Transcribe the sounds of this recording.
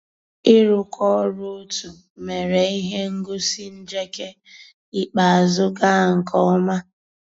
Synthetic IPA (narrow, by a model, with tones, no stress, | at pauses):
ɪ˦ɾʊ˨kʰɔ˦ɾʊ˦tu˨ | me˨ɾe˨i˦ɦe˦ŋ̩˦ɡʊ˦si˦n̩˦d͡ʒe˦ke˦ | i˦k͡pa˨a˨zʊ˦ɡa˦˨ŋ̩˨kʰɔ˦ma˦